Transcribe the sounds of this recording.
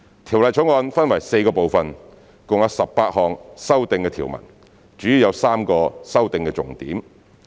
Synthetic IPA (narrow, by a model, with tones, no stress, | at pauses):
t̪ʰiː˨˩wlɐ˨jt͡ʃʰʊ˨˥ŋɔː˧nfɐ˥nwɐ˨˩jse˧jkɔː˧po˨wfɐ˨n | kʊ˨ŋjɐ˨˧wsɐ˨p̚paː˧t̚hɔː˨ŋsɐ˥wt̪ɪ˨ŋkɛː˧t̪ʰiː˨˩wmɐ̰˨˩n | t͡ʃyː˨˥ji˨˧wjɐ˨˧wsaː˥mkɔː˧sɐ˥wt̪ɪ˨ŋkɛː˧t͡sʊ˨˩ŋt̪ḭː˨˥m